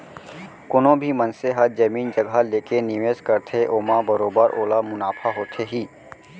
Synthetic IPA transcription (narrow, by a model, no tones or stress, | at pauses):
kʊnõbʱimənseɦəɾd͡ʒɐmiːnd͡ʒəɡʱaleːkeniʋeːskəɾt̪ʰeʔoːmabəɾoːbəɾʔoːlamʊnaːfʰaɦoːt̪ʰeɦiː